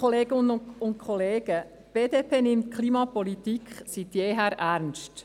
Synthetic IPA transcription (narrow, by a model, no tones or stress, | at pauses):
ɔleːɡɪnənʊʊntkʰχɔleːɡ̥ə | b̥eːdepʰeːnɪmtkʰliːmɑpɔlit̪ikχsit̪jeːɦæːɾʔæɾnst